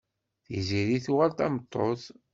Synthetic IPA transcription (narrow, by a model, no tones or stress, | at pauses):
θiziɾiθuʁælt̪æmət̪ˤːoθ